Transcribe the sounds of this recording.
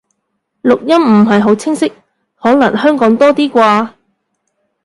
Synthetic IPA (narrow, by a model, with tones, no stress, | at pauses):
lʊ˨k̚jɐ˥mm̩˨˩ɦɐ˨jɦo˨˥wt͡sʰɪ˥ŋsɪ˥k̚ | hɔː˨˥nɐ˨˩ŋɦœː˥ŋkɔː˨˥ŋt̪ɔː˥t̪iː˥kʷaː˧